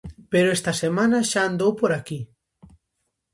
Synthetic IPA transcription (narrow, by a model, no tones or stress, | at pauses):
peɾoest̪ɐsemãnaʃaːnd̪owpoɾaki